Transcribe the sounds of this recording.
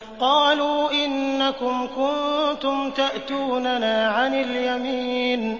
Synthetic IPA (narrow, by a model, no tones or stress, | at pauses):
qɑːluːʔɪnːakʊmkʊnt̪ʊmt̪aʔt̪uːnanaːʕanɪljamiːn